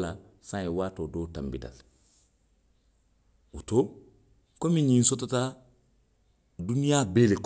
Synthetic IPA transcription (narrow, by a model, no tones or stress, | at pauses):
la | sãiwaːtodoːta̰mbḭda̰l | ṵto | komiɲĩnsotata | dunijabeːlek